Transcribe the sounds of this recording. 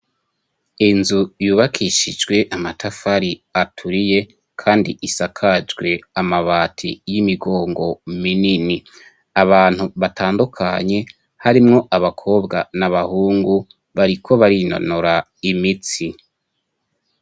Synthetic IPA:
inzujuːβakʰiʃid͡ʒɡwe̞ʔamatʰafaɾiatʰuɾije̞ | kʰaːndiʔisakʰad͡ʒɡwe̞amaβaːtʰijimiɡo̞ːŋɡo̞minini | aβaːn̥huβataːndukʰaɲe̞ | haɾimŋo̞ʔaβakʰo̞ːbɡanaβahuːŋɡu | βaɾikʰo̞βaɾino̰noɾa | imit͡si

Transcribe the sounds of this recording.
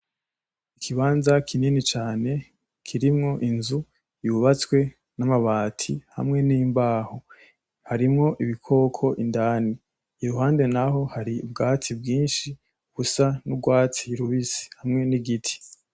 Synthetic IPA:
ikʰiβaːnzakʰininit͡ʃaːne̞ | kʰiɾimŋo̞ʔinzu | juβat͡skwe̞ | namaβaːtʰḭha̰mŋe̞niːmbaːho | haɾimŋo̞ʔiβikʰo̞ːkʰo̞ʔindaːniː | ɾuhaːnde̞naɦo̞haɾiubɡaːt͡sibɡiːnʃi | ɡ̥usanubɡwaːt͡siɾuβisi̥hamŋe̞niɡitʰi̥

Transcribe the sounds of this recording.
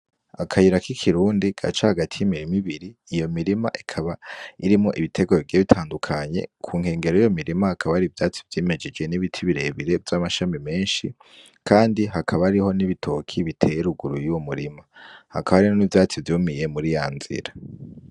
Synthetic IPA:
akʰajiɾakikʰiɾuːndiɡ̥a̰t͡ʃahaɡatʰijimiɾimiβiɾiːjo̞miɾima̰ʔikʰaβaiɾimŋo̞ʔiβitʰe̞ɡoβiɡieβitʰaːndukʰaɲe̞̰kʰuːŋ̥he̞ːŋɡe̞ɾoijo̞miɾimahakʰaβaɾivjaːt͡si̥vjiːme̞d͡ʒe̞d͡ʒɡe̞niβitʰiβiɾe̞βiɾe̞vjamaʃamime̞ːnʃi | kʰaːndiɦakʰaβaːɾiho̞niβitʰo̞kʰiβitʰe̞jeɾuɡuɾujuwomuɾimaha̰kʰaβaɾiho̞nivjaːt͡sivjuːmije̞muɾijaːnz̥ḭɾa

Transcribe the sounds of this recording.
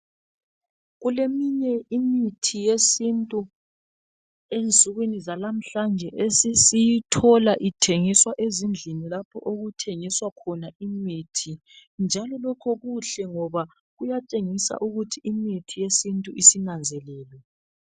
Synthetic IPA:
ɣulemiɲɛimitʰijesintʼu | ent͡sʼuɣwinizalam̩ɬand͡ʒʱɛʔesisijitʰɔlaʔitʰeŋiswaʔezind͡ɮʱinilapʰɔ̰ʔoɣutʰeŋiswakʰɔnaʔimitʰi | nd͡ʒʱalɔlɔkʰɔɣuɬɛŋɔβa | ɣujat͡ʃʼeŋisa̰ʔuɣutʰiimitʰijesintʼuʔisinand͡zʱɛlɛːlwɛ

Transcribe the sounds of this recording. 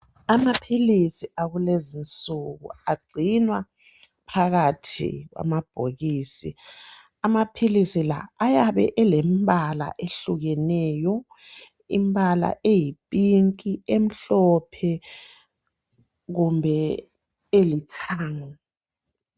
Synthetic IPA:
amapʰilisiʔaɣulezint͡sʼuɣṵaɡ͡ǀʱinwa | pʰaɣatʰḭɣwa̰mab̥ʱoɣiːsḭ | amapʰilisila̰ːjaβɛ̰ʔɛlɛmbʱala̰ʔeɬuɣɛnɛːjɔ | imbala̰ʔejipʼiŋkʼiem̩ɬɔpʰɛ | ɣumbʱɛ | elitʰaːŋɔ

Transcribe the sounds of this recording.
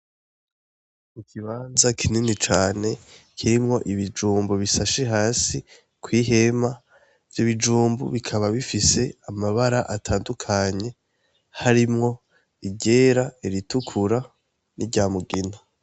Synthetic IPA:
mukʰiβaːnzakʰininit͡ʃaːne̞ | kʰiɾimŋo̞ʔiβid͡ʒuːmbuβisaʃeɦaːsi | kwiːɦe̞ma | vjiβid͡ʒuːmbṵβikʰaβaβifise̞amaβaɾaʔatʰaːndukʰaɲe̞ | haɾimŋo̞ | iɟe̞ːɾaeɾitukʰuɾa | niɟaːmuɡina

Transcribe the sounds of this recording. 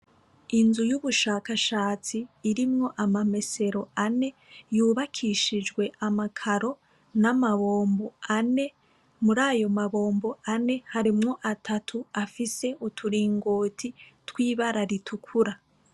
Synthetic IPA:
inzujuβuʃakaʃaːt͡siːɾimŋo̞ʔamame̞se̞ɾo̞ane̞juːβakʰiʃid͡ʒɡwe̞ʔamakʰaɾo̞ | namaβo̞ːmboane̞ | muɾaːjo̞maβo̞ːmbo̞ane̞haɾimŋo̞ʔatʰatʰuafise̞utʰuɾiːŋɡoːtʰitwiːβaɾaɾitʰukʰuɾa

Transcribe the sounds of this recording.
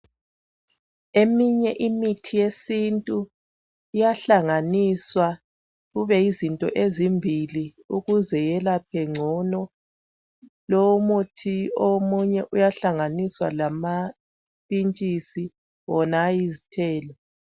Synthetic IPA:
emiɲɛʔimitʰijesintʼu | ijaɬaŋaniswa | ɣuβɛizintʼɔ̰ʔezimbʱili | uɣuzɛjɛlapʰɛŋ͡ǀʱɔnɔ | lɔwomutʰiomuɲɛʔujaɬaŋaniswa̰lama | pʼint͡ʃʼisi | wɔnaːjizitʰɛːlɔ

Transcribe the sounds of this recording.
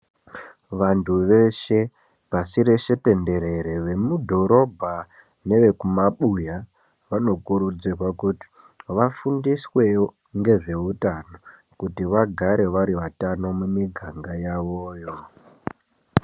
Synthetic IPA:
ʋantʰuʋe̞ʃe̞ | pasiɾeʃe̞te̞nde̞ɾe̞ɾeʋe̞mudʱo̞ɾo̞bʱa | ne̞ʋe̞kumaɓuja | ʋano̞kuɾud͡zirwakuti̥ | ʋafundiswe̞ | ŋɡe̞ʐe̞utano | kutiʋaɡʱaɾe̞ʋaɾiʋatano̞mumiɡʱaŋɡajaʋoːjo̞

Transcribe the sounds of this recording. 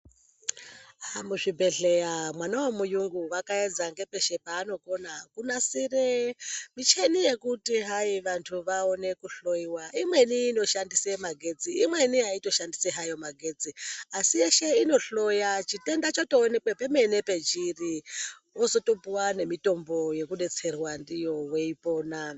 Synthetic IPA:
amuʐibʱe̞ɬejamwanawomujuŋɡuwakaed͡zaŋɡe̞peʃe̞paːno̞ko̞nakunasiremit͡ʃenije̞kutiɦaiʋantʰuʋaone̞kuɬojiwaimwe̞niːno̞ʃandisemaɡʱe̞d͡ziːmwe̞niaito̞ʃandiseɦajo̞maɡʱe̞d͡ziasijeʃe̞ino̞ɬo̞jat͡ʃite̞ndat͡ʃoto̞ːne̞kwepeme̞ne̞pe̞t͡ʃiri | oso̞to̞puwane̞mito̞mbo̞je̞kuɗe̞t͡se̞rwandijo̞we̞ipo̞ːna

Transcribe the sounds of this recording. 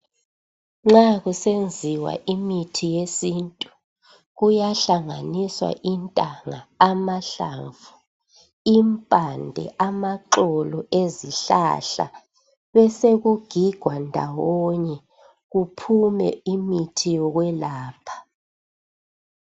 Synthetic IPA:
ŋ͡ǁaɣusend͡zʱiwa̰ʔimitʰijesintʼu | ɣujaɬaŋaniswa̰ʔintʼaŋaːmaɬa̰ɱvu | impʼandʱɛ̰ʔamaǃɔlɔʔeziɬa̰ɬa̰ | βɛseɣuɡ̥ʱiɡ̥ʱwandʱa̰wɔɲɛ | ɣupʰumɛ̰imitʰijɔɣwɛlaːpʰḁ

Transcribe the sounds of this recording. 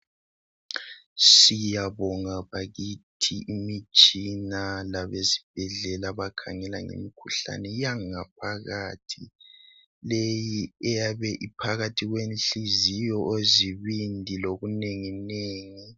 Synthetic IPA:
sijaβɔŋaβaɣitʰiimit͡ʃʼinalaβezib̥ʱɛɮɛlaβakʰa̰ŋɛlaŋḛmikʰuɬa̰nɛjaŋap̚ʰaɣatʰi | lejiɛjaβɛʔipʰaɣatʰiɣwenɬizijɔʔoziβindʱiloɣuneŋineːŋi

